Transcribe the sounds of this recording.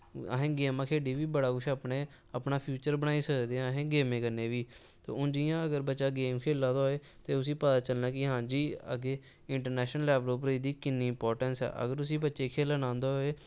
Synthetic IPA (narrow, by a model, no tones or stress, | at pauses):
ə̰ɦẽːɡeːmãːkʰeːɽiːʋiːbəɽaːkʊʃaːpɳeː | aːpnaːpʰjuːt͡ʃəɾbəɽaːiːsəkd̪eːãɦẽːɡeːmẽːkənːeːʋiː | t̪o̰ːʊnd͡ʒijãːəɡəɾbətːʃaːɡeːmkʰeːlãːd̪oːeː | t̪eːʊs̬iːpət̪aːt͡ʃəlnaːkɪɦãːd͡ʒiːə̰ɡeː | ɪɳʈəɾnɛːʃnəlɛːʋloːp̬əɾiːd̪iːkɪnːiːɪmpɔːɾʈənsɛ̰ːʔə̰ɡəɾʊsiːbətːʃeːkʰeːlanãːnd̪oːɦoːeː